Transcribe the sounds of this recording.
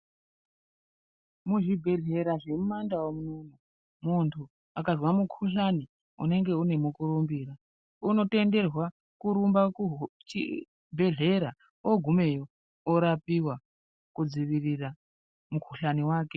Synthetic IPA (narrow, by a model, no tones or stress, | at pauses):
muʐibʱe̞ɮe̞ɾaʐe̞mumandawomununo | muntʰu | akaʐwamukʰuɬani | ṵne̞ŋɡe̞une̞mukuɾumbiːɾa | uno̞te̞nde̞rwa | kuɾumbat͡ʃi | bʱe̞ɮe̞ɾa | oɡʱume̞jo | oɾapiwa | kud͡ziʋirira | mukʰuɬaniwaːke